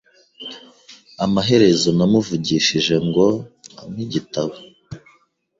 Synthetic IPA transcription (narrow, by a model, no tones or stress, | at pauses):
amaɦe̞ɾe̞zo̞namuvuɟiːʃiʒe̞ŋɡo̞a̰miɟitaβo